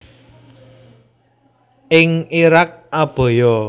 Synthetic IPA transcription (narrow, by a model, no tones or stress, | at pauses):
ʔɪŋiɾak̚ab̥ɔ̤jɔ